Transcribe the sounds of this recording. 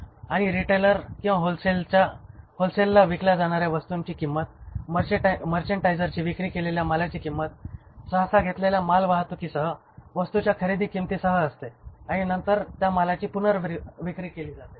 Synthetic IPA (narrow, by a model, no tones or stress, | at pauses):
aɽ̃iɾiʈeləɾkĩw̃ʋaɦolselt͡ɕaholselːaʋiklad͡zaɽ̃aɾjaʋəst̪uɲt͡ɕiːkimːət̪̚məɾməɾt͡ɕəɳʈajd͡zəɾt͡ɕiːʋikɾiːkeleljaməlat͡ɕiːkimːət̪səɦəsaɡʱet̪leljamalʋaɦt̪okiːsəɦə | ʋəst̪ut͡ɕjakʰəɾid̪iːkimt̪isəɦəːst̪eaɽ̃inənt̪əɾt̪jamalat͡ɕiːpunəɾʋʋikɾiːkeliːd͡zat̪e